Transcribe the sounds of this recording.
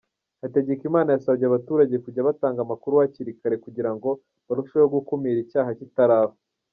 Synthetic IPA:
hate̞ɟekimaːnajasaβɟeaβatuːɾaɟekuɟaβataːŋɡamakuɾuwaciɾikaɾe̞kuɟiɾaŋɡo̞ | βaɾuʃajoɡukumiːɾicaːɦacitaɾaːho

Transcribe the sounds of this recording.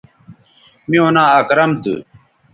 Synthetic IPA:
mĩonãːɐkɾɐmt̪ṵ

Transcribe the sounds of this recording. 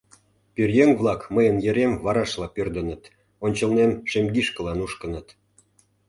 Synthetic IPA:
pyrjeŋvlˠɑkməjənjeɾemvɑɾɑʃlɑpørd̪ə̆nə̆t̪ | onʲt͡ɕə̆lnemʃemɡiʃkə̆lɑnuʃkənət̪

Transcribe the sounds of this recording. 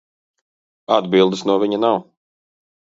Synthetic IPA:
ad̪bilˠd̪ɨsnuɔviɲɐnaw

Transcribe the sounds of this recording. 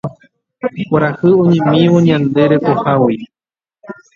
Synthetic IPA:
kʷaɾahɨoɲẽmĩwoɲãnd̪eɾepohawoj

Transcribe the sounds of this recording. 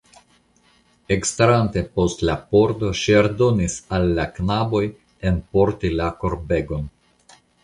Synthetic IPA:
e̞kstɾante̞po̞stlapo̞ɾto̞ʃiaɾdo̞nisalːaknabo̞j | e̞npo̞ɾt̪ilako̞ɾbe̞ɡo̞n

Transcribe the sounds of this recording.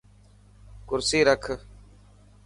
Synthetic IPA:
kʊɾsiːɾəkʰ

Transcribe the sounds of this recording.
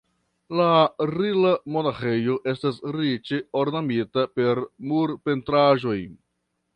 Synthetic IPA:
laɾilamo̞naxejo̞ʔe̞stasɾit͡ʃe̞oɾnamitape̞ɾmuɾpe̞ntɾaʒo̞j

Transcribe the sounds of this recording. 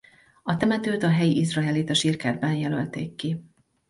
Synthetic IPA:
ɒt̪ɛmɛt̪øːt̪ɒɦɛjiʔizrɒɛleːt̪ɒʃiːrkɛrbɛnjɛlølt̪ḛːkːi

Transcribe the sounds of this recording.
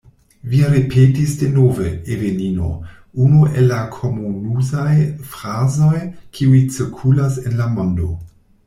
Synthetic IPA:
viɾepʰetisdenovḛevenino̰ | unuʔelːakʰomonuzajfɾazo̞jkʰiujt͡siɾkʰulasenlamondo̰

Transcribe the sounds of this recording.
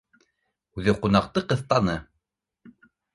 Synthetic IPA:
ʉðɘqunɑqt̪ɤqɤ̆θt̪ɑnɤ

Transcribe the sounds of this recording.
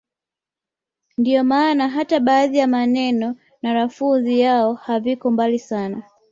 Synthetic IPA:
ndiɔmaːnaɦataɓaːðijamanɛnɔ | naɾafunzijaɔhavikɔmbalisana

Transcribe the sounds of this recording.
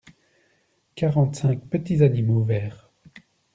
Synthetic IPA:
kaʁɑ̃t̪sɛ̃k̚pət̪izanimovɛːʁ

